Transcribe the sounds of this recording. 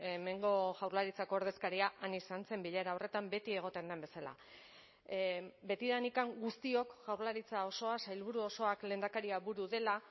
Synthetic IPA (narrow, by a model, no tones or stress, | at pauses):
eme̞ŋɡo̞ʝawɾlaɾit͡sako̞ːɾðe̞skaɾiaʔanisant͡se̞mbiʎaɾao̞re̞t̪ambe̞t̪ie̞ɣ̞o̞t̪e̞nd̪e̞mbe̞sala̰ | be̞t̪iðanikaŋɡust̪io̞kʝawɾlaɾit͡sao̞so̞asajlβuɾuo̞so̞akle̞ːnd̪akaɾiaβuɾuðe̞la